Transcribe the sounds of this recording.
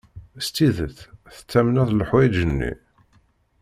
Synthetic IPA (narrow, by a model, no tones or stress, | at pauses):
st̪iðəθθə̥t͡sːæmənæðləħwæjʒənːḭ